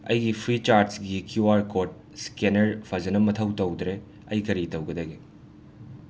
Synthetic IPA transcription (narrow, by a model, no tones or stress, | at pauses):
ɐ̰jɡipʰɾit͡ʃaɾdsɡikjuaɾkoɾt̚ | skenɐɾpʰɐzɐnɐmɐtʰɐwtɐwd̪ɾe | ɐjkɐɾitɐwɡɐdɐɡe